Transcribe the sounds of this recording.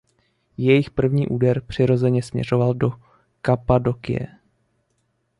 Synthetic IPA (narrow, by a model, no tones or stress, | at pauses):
jɛjɪxpr̩vɲiːʔuːdɛɾpr̥ɪɾo̞zɛɲɛsmɲɛ̰r̝o̞valdo̞ | kapado̞kɪ̰jɛ̰